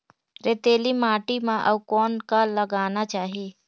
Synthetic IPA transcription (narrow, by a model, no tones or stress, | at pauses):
ɾeːt̪eːlimaːʈimãʔəʋkɔːnkaləɡaːnat͡ʃaːɦieː